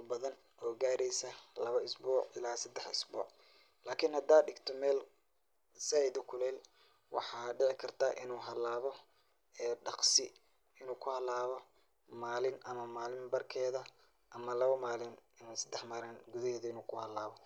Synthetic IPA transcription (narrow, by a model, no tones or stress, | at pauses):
bɐðɐn | ʔɔːɡaːɾɛjsɐlɐβɐɪsbuːʕɪlaːsɐd̪ɛħɪsbṵːʕ | laːkʰɪnhɐd̪aːɖɪɡt̪ʰɔmɛːl | sɛjðʊkʰʊlɛːl | wɑ̰ħɑːɖɪʕɪkʰɐrt̪ʰaːʔɪnuːɦɐlaːβɔ | ɛːɖɑqsɪ | ɪnuːkʰʊhɐlaːβɔ | maːlɪnʔɐmɐmaːlɪmbɐrkʰɛːðɐ | ʔɐmɐlɐβɐmaːlɪnɪnːsɐd̪ɛħmɐɾɐnɡʊðɐhɛːðɐɪnuːkʰʊhɐlːaːβɔ